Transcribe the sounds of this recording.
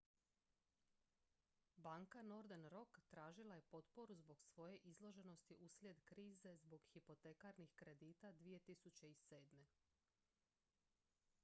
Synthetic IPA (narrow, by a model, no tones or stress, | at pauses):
baːŋkano̞ɾd̪enɾo̞kt̪ɾaːʒilˠaje̞po̞t̪po̞ɾuzbo̞ɡsʋo̞je̞ʔizlˠo̞ʒe̞no̞st̪iʔuslʲje̞d̪kɾiːze̞zbo̞ɡxipo̞t̪ekaɾnixkɾe̞d̪iːt̪ad̪ʋije̞t̪isut͡ɕe̞ise̞ːd̪me̞